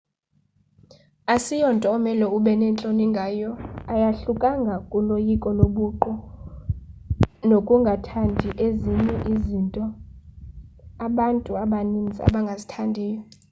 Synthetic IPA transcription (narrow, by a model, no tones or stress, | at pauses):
asijɔntʼɔːmɛlɔuɓɛnɛnt͡ɬʼoniŋɡʱaːjɔajaɬukʼaŋɡʱakʼulojikʼɔloɓuǃɔ | nokʼuŋɡʱatʰandʱiʔeziɲɛʔizintʼɔ | aɓantʼuaɓanind͡zʱia̰ɓaŋɡʱazitʰandʱiːjɔ